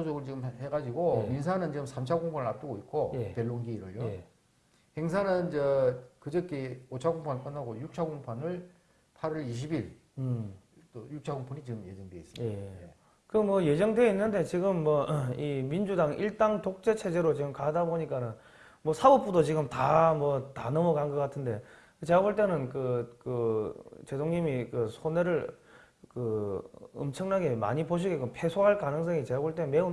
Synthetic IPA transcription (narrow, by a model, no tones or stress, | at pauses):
osoɡɯɭt͡ɕiɡɯmheɡad͡ʑiɡomins̬ʰanɯnt͡ɕiɡɯmsʰamt͡ɕʰaɡoŋpʰanɯɭap̚t͈ɯɡoit̚k͈ʰoje̞pe̞ɭːoŋɡiːɾɯjoje | he̞ŋs̬ʰanɯnd͡ʑekɯd͡ʑʌk͈ʰiot͡ɕʰaɡoŋpʰank͈ɯnːaɡojuk̚t͡ɕʰaɡoŋpʰanɯɭ | pʰaɾiɾiɕ̬ʰibiɭ | t͈ojuk̚t͡ɕʰaɡoŋpʰonit͡ɕiɡɯmje̞d͡ʑʌŋdweis͈ɯmje | kɯmwʌje̞d͡ʑʌŋdwe̞inːɯnde̞t͡ɕiɡɯmːwʌimind͡ʑudaŋʔiɭt͈aŋtok̚t͡ɕ͈e̞t͡ɕʰe̞d͡ʑe̞ɾot͡ɕiɡɯmkadaboɲik͈anɯn | mwʌsʰabop͈udot͡ɕiɡɯmtamwʌtanʌmʌkanɡʌk͈atʰɯnde̞ | kɯt͡ɕeɡaboɭt͈e̞nɯnkɯkɯt͡ɕe̞doŋɲimikɯsʰoneɾɯɭ | kɯ | ɯ̰mt͡ɕʰʌŋnaɡe̞ma̰ɲipoɕ̬ʰiɡekɯpʰe̞sʰoɦaɭkanɯŋs̬ʰʌŋit͡ɕe̞ɡaboɭt͈e̞nme̞u